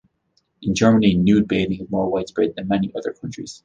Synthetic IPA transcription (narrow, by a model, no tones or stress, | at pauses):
ʔɪ̃nd͡ʒɜ˞məninjʉːd̚beɪɾɪ̃ŋɪzmɔɹwaɪtsb̥ɹɪd̪̚ðɨ̃nmɛniʔʌðə˞kʰʌ̃nt͡ʃɹ̥ḭz̥